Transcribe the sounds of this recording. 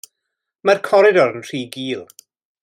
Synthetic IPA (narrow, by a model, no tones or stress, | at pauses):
markʰɔɾɪdɔɾənr̥iːɡiːlˠ